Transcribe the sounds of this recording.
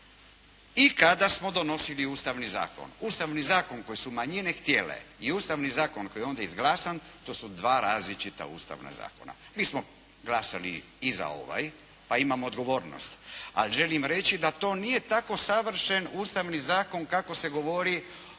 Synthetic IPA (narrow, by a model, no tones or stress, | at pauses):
ikad̪asmo̞d̪o̞no̞siliuːst̪aʋniza̰ːko̰nuːst̪aʋnizaːko̞nko̞jesumaɲine̞xt̪je̞lḛiuːst̪aʋnizaːko̞nko̞jeo̞nd̪aizɡlaːsant̪o̞ːsud̪ʋaːɾaːzlit͡ʃit̪a̰ṵːst̪a̰ʋna̰za̰ːko̞na̰ | miːsmo | ɡlasalḭ | iza̰o̞̰ʋa̰j | paimamoːd̪ɡo̞ʋo̞ːɾno̰st̪a̰lʒe̞limɾe̞t͡ʃid̪at̪o̞ːnije̞t̪ako̞saʋr̩ʃe̞nuːst̪aʋnizaːko̞nkako̞se̞ɡo̞ʋo̞ɾi